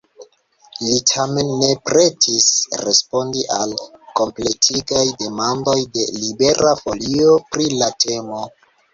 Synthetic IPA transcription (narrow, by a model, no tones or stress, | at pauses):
litʰame̞nːe̞pɾe̞tʰisɾe̞spo̞ndiʔalko̞mple̞tʰiɡajde̞mando̞jde̞libe̞ɾʔafo̞liopɾilatʰe̞mo̞